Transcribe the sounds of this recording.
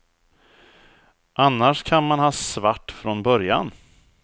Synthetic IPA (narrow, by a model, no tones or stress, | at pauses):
ʔanːaʂkʰanmanhɑːsvaʈːfɾɔnbœɾja̰n